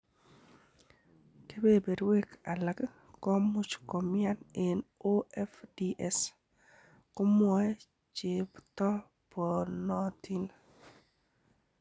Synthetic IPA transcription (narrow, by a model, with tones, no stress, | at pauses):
ke˦be˦be˨ɾwe˦kʰa˨la˨k | kɔ˦mu˦t͡ʃko˨mja˦ne˨no˦ɛ˦fdi˦ʔɛ˦s | kʊ˦mwɔ˦ɛ˦ | t͡ʃe˨bt̪ɔ˦ | pɔ˨nɔ˦t̪i˦n